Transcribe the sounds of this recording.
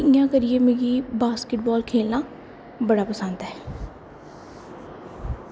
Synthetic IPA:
ɪjãːkəɾɪeːmẽːɡiːbaːskɪʈ̚bɔːlkʰeːlnãː | bəɽaːpəsənd̪ɛː

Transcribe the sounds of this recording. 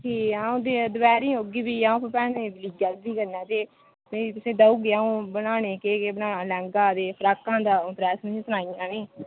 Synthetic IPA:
ʈʰiːãːõːd̪eːd̪ʊbɛːɾĩːɦoːɡiːbiːãːũːpəpɛːneːbɪliːɡɛːld̪iːkəɾnɛ̃ːt̪eː | meːit̪ʊsĩːd̪əuːɡeaːũːbənaːneːkeːkebənaːnaːlɛ̃ːŋɡaːd̪eːpʰəɾaːkãːd̪ãːp̪ɾɛːsm̃ːsʊnaːijãːneː

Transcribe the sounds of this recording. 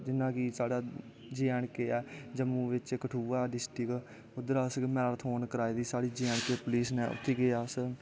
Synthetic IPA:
d͡ʒɪnːãːkisaːɽaː | d͡ʒeəːɳkeːɛːd͡ʒəmũːʋɪt͡ʃkəʈʰuːaːɖɪsʈɪk | ʊd̪əɾaːsmɛːɾːt̪ʰɦoːnkəɾaːiːd̪iːsaːɽiːd͡ʒeəɳkeːpʊliːsneːʊ̰t̪ʰːeːɡɪaːs

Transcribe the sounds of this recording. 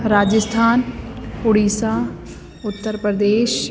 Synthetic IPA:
ɾaːd͡ʒəst̪ʰaːnʊɽiːsaː | ʊt̪ːəɾpɾəd̪eːʃ

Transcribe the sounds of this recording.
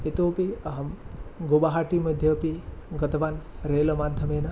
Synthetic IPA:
et̪oːpiɐɦɐmɡobaɦaːʈimɐd̪ʱjɐpiɡɐt̪ɐʋaːnɾeːlɐmaːd̪ʱːɐmeːnɐ

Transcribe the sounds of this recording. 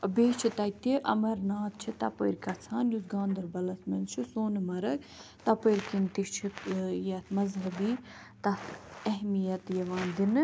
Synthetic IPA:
beːt͡ʃʰit̪ɐt̪iʔɐ̰mɐɾnaːt̪̚t͡ʃʰit̪ɐpə̰ɾkɐt͡sʰaːnjusɡãːnd̪ɐɾbɐlɐsmɐnt͡ʃʰisoːnɨmɐɾɐk | t̪ɐpəɾʲkint̪it͡ʃʰijɐt̪ʰmɐzɦɐbiː | t̪ɐt̪ʰɐɦmijɐt̪jɐʋãːnd̪in

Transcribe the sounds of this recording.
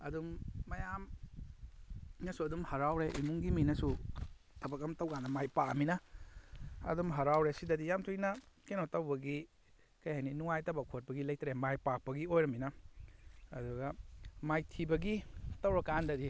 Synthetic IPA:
ɐdumːɐjam | nɐsuɐdumhɐɾawɾeʔimuŋɡiminɐsu | tɐbakɐmtawɡanɐmajpaminɐ | ɐ̰dumɦɐɾawɾesidɐdijamtʰujnɐkenotɐwbɐɡi | kɐjhajninuŋajtɐbak̚ʰot̚pɐɡilɐj̚tʰɾemajpak̚pɐɡiojɾɐmːinɐ | ɐduɡɐmajtʰibɐɡitɐwɾɐkandɐdi

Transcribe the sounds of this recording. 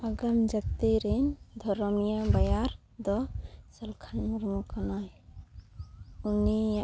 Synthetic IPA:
aɡamd͡ʒak̚t̪iɾind̪ʱɔɾɔmijabajaɾ | d̪ɔsalkʰanmuɾmukanaj | uni

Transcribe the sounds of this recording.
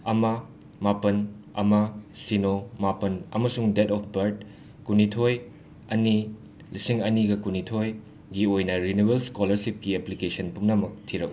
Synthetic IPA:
ɐmɐ | mapɐnɐ̰mɐsinomapɐnɐ̰mɐsuŋdetɔpʰbɐɾd̚ | kunitʰoj | ɐni | lisiŋɐniɡɐkunitʰoj | ɡiojnɐɾinubelskolɐɾsip̚kieplikesɐnpumnɐmɐk̚tʰiɾɐ̰k

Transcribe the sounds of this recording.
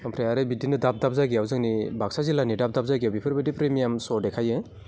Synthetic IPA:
ɔmpʰɾejaɾebidinɯdap̚dap̚zajɡiawzɯŋnibak̚sazilanidap̚dap̚zajɡiawbipʰɯɾbɯdipɾemijamsɔɾdekʰaje

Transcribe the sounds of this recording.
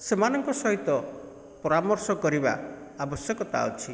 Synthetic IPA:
semanɔŋkɔsɔɦit̪ɔ | pɔɾamɔɾsɔkɔɾiba̰ | abɔsjɔkɔt̪a̰ɔ̰t͡ʃʰi

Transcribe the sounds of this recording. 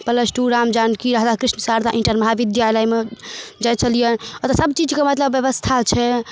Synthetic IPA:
pələsʈuɾamd͡ʒankiɾaɦd̪akɾisnəsaɾt̪ʰaʔĩɳʈəɾməɦaʋid̪jalajmed͡ʒat͡ʃʰəlijənɔt̪ɔsəbt͡ʃid͡ʒkemət̪ləbjəβəst̪ʰat͡ʃʰɛ

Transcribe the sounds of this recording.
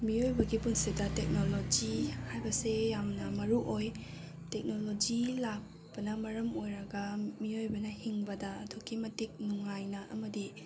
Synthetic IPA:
miojbɐɡipunsidɐtek̚nolod͡ʒihajbɐsejamnɐmɐɾuʔoj | tek̚nolod͡ʒilak̚ | pɐnɐmɐɾɐmojɾɐɡɐmiojbɐnɐhiŋbɐdɐɐtʰokʰimɐtik̚nuŋajnɐʔɐ̰mɐdi

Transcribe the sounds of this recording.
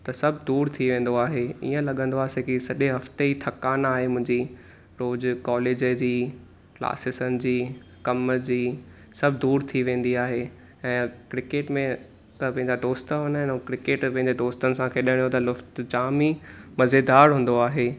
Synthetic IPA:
t̪ɐsɐbʱd̪uːɾt̪ʰiʋẽːn̆d̪oaːɦeḭːə̃lɐɠə̃nd̪oaːsekisɐʄeɦɐft̪eit̪ʰɐkaːnaːɦemʊ̃ɦɪ̃ɲd͡ʑi | ɾoːzkɔːleːd͡ʑəd͡ʑiː | kla̰ːsɪsənɪ̆d͡ʑiː | kɐmd͡ʑiː | sɐbʱɪd̪uːɾt̪ʰiʋẽːn̆d̪iaːɦe | ɛ̃ːkɾɪkeːʈmẽ | t̪ɐpɐ̃ɦɪ̃ɲd͡ʑad̪oːst̪ɦonaɪ̃nkɾɪkeːʈpɐ̃ɦɪ̃ɲd͡ʑed̪oːst̪ənɪ̆sãkʰeːɗɪɽ̃ijot̪ɐlʊft̪d͡ʑaːmimɐzed̪aːɾɦũːn̆d̪oaːɦe

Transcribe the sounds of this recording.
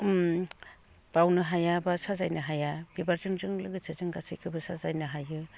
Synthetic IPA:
m | b̥awnɯɦajabasazajnɯɦajab̥ibaɾzɯŋzɯŋlɯɡɯsʰɯzɯŋɡasɯjkʰɯbɯsazajnɯɦajɯ

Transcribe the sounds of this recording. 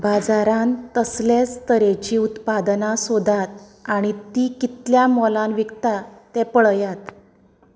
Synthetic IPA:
bad͡zaɾãnt̪əslest̪əɾet͡ɕiːut̪pad̪nasod̪ʱat̪̚aɽ̃it̪iːkit̪ljamɔlãnʋikt̪at̪ɛpəɭjat̪

